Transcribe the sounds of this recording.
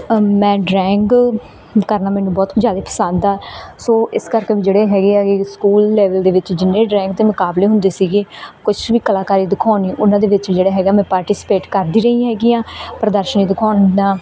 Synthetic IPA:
mɛ̃ːɖɾɛːŋk | kəɾnaːmɛ̃ːnũːbɔːt̪d͡ʒjaːd̪eːpʰə̥sãːnd̪aːsoːʔɪskəɾkeːʋiːd͡ʒeːɽeːɦɛːɡeːɡeːskuːlːeːʋəld̪eːʋɪt͡ʃd͡ʒɪnːẽːɖɾɛ̃ːŋk̚t̪eːmʊkaːbleːɦʊnd̪eːsiːɡeːkʊt͡ʃʋiːkəlaːkaːɾiːd̪ɪkʰaːniːʔʊnãːd̪eːʋɪt͡ʃd͡ʒeːɽaːɦɛːɡaːmɛ̃ːpaːɾʈiːspeːʈkəɾd̪iːɾəĩːɦɛːɡiːãːpɾəd̪əɾʃəniːd̪ɪkʰaːnaː

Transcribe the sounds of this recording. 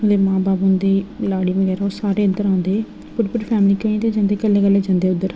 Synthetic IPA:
d̪eːmãːbaːbʊnd̪eːlaːɽiːmẽɡɛːɾaosaːɾeːənːəɾãːnd̪eː | pʊʈpʊɾpʰɛːmliːkə̃ĩːt̪eːd͡ʒãːnd̪eːkəlːeːkəlːeːd͡ʒãːnd̪eːʊd̪ːəɾ

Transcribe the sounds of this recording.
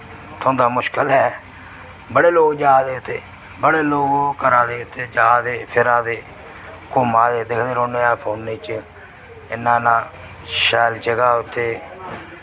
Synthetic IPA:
t̪ʰõːd̪aːmʊʃkəlɦɛː | bəɽeːloːɡd͡ʒaːd̪eːʊt̪ʰːeː | bəɽeːloːɡokəɾãːd̪eːʊt̪ʰːeːd͡ʒaːd̪eːpʰɪɾãːd̪eː | koːmãːd̪eːd̪ɪkʰd̪eːɾõːneːaːpʰoːnːĩːt͡ʃ | ɪnːãːnãː | ʃɛːld͡ʒəɡaːʊt̪ʰːeː

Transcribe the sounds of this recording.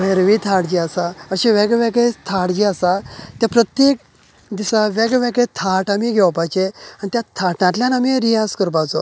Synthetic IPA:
ʋeɾəʋit̪ʰaʈd͡ʑiːasaəɕiʋɛɡʋɛɡet̪ʰaʈd͡ʑiːasat̪japɾət̪jek | d̪isaʋɛɡʋɛɡet̪ʰaʈamiɡʱɛwapajt͡ɕeanit̪jat̪ʰaʈnãʈ̪ljãnamiɾijaskəɾbat͡sɔ̰

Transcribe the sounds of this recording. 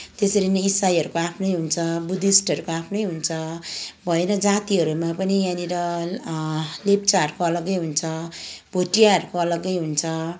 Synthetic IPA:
t̪esʌɾinʌisːajɦʌɾukoapʰnʌjɦunt͡sʰʌbud̪isʈʌɾukoapʰnʌjɦunt͡sʰʌbʱʌenʌd͡zat̪iɦʌɾumapʌnijaniɾʌ | lep̚t͡saʌɾukoʌlʌɡːʌjɦunt͡sʰʌbʱoʈijaɦʌɾukoʌlʌɡːʌjɦunt͡sʰʌ

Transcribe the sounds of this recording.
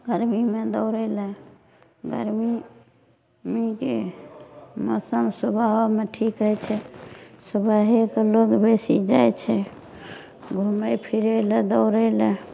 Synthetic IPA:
ɡəɾmimed̪əʊɾəle | ɡə̰ɾmi | mikḛ | mə̰səmsubʱaameʈʰikɦət͡ʃʰɛsəbʱaɦekloɡbesḭd͡ʒajt͡ʃʰɛ | ɡʱumejpʰiɾeled̪əʊɾəle

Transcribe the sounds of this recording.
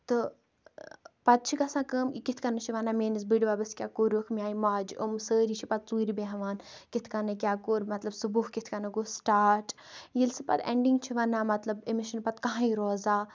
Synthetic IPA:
t̪ɨ | pɐt̪̚t͡ʃʰikɐsãːkəːmkikit̪ʰkɐnɨt͡ʃʰiʋanaːmeːnis̬biɖʋaːbɐskʲaːkoːɾəkʰmijaːimaːd͡ʒomsəːɾit͡ʃʰipɐt̪̚t͡suːɾibeɦɐʋaːnkit̪ʰkanɨk̬ʲaːkoːɾmɐt̪lɐbsɨbuɦkit̪ʰkɐnɐɡoːsʈaːʈ | jilsɨpɐ̰t̪ḛɳɖiŋɡt͡ʃʰiʋanːaːmɐt̪lɐbimiʃɐnpɐt̪kɐɦãːiɾoːzaː

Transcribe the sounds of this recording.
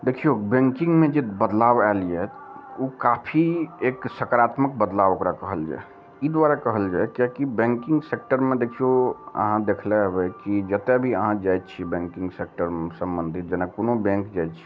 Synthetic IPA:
d̪ekʰiobɛ̃ŋkiŋɡmed͡ʒebəd̪labɛlijɛ | okapʰieksəkəɾat̪mək̚bəd̪laʋokɾakəɦəld͡ʒa̰ɛ | id̪waɾakəɦəld͡ʒajkjakibɛ̃ŋkiŋɡsek̚ʈəɾmed̪ekʰioə̰ɦãd̪ekʰlɛɦəbɛkid͡ʒət̪ebʱiəɦãd͡ʒajt̪t͡ʃʰibɛ̃ŋkiŋɡsek̚ʈəɾmsəmbənd̪ʱit̪̚d͡ʒenakonobɛ̃ŋkd͡ʒajt̪t͡ʃʰi̥

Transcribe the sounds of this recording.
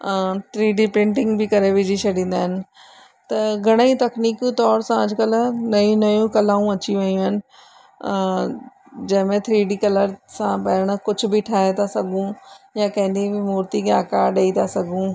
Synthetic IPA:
t̪ʰɾiːɖipɾɪ̃ɳʈɪ̃ŋɡbɪkɐɾeʋɪd͡ʑiʃʰɐɗĩːn̆d̪aːɦɪnɪ̆ | t̪ɐɡʱɐɽ̃it̪ɐkniːkt̪ɔːɾsãɐd͡ʑʱkəlnɐjũnɐjũkɐlaːũɐt͡ɕiʋɐijũɦɪnɪ̆ | d͡ʑɐ̃ɦɪ̃mẽt̪ʰɾiːɖikɐləɾsãpɐːɾəɽ̃kʊd͡ʑʱʊ̆bɪʈʰaːɦet̪asɐɡʱũjakɐ̃ɦɪ̃nd̪ibɪmuːɾt̪ikʰeaːkaːɾɗeit̪ʰasɐɡʱũː

